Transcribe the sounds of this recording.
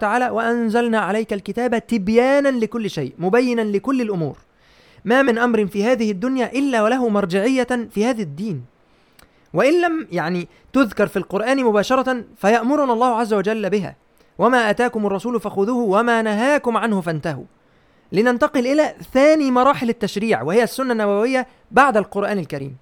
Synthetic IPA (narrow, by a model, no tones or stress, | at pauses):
t̪aʕaːlaːwaʔanzalnaːʕalajkalkɪt̪aːbat̪ɪbjaːnanlɪkʊlːɪʃajʔmʊbajːɪnanlɪkʊlːɪlʔʊmṵːɾ | maːmɪnʔamɾɪnfiːhaːðɪhɪd̪ːʊnjaːʔɪlːaːwalaɦʊmɑɾˤd͡ʒɪʕɪjːafiːhaːðæd̪ːiːn | wɪʔɪnlamjaʕniː | t̪ʊðkɑɾˤfilqʊɾʔaːnɪmʊbaːʃɑɾˤɑt̪nfæjɑʔmʊɾˤʊnɑlˤːɑːhʊʕazːawad͡ʒælːbɪɦa̰ː | wamaːʔæt̪aːkʊmɑrˤːɑsuːlʊfæxʊðuːhʊwæmaːnaɦaːkʊmʕanhʊfænt̪aɦṵ | lɪnant̪ɑqɨlʔɪlæːθæːniːmɑɾˤɑːħɪlɪt̪ːæʃɾiːʕwɪhɪjæsːʊnːanːæbæwɪjːæ | baʕd̪alqʊɾʔaːnɪlkaɾḭːm